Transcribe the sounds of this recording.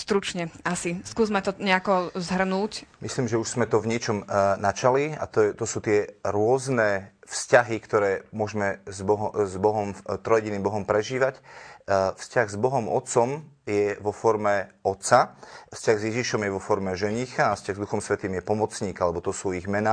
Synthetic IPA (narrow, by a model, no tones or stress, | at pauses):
st̪ɾut͡ʃɲɛasiskuːzmat̪ɔɲɛakɔzɦr̩nuːcmisliːmʒɛuʒz̥mɛt̪ɔvɲɪɛt͡ʃɔmnat͡ʃalia̰t̪t̪ɔsuːt̪ɪɛɾʊɔznɛːfscaɦikt̪ɔɾɛːmʊɔʒmɛzbɔɦɔzbɔɦɔmt̪ɾɔjɛɟiniːmbɔɦɔmpɾɛʒiːʋac | fscaɣzbɔɦɔmɔ̰t̪t͡sɔmjɛʋɔfɔɾmɛɔt̪safscaɣzjɛʒiʃɔmjɛʋɔfɔɾmɛʒɛɲixaːfscʲaɣzd̪uxɔmsʋɛt̪iːmjɛpɔmɔt͡sɲiːkalɛbɔt̪ɔsuːiɣmɛna